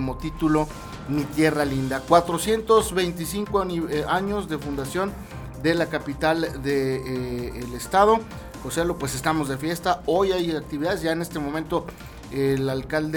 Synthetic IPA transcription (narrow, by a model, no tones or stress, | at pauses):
mo̞t̪it̪ulo̞ | mit̪je̞ralind̪akwat̪ɾo̞sje̞nt̪o̞zβe̞jnt̪isiŋkoaɲo̞zde̞fund̪asjo̞n | d̪e̞lakapit̪ald̪eː | lest̪aðo̞ | kosealopwe̞se̞st̪amo̞zðe̞fje̞st̪ao̞jajak̚t̪iβiðaðe̞zʝaene̞st̪e̞momẽnt̪o̞ | elalkald̪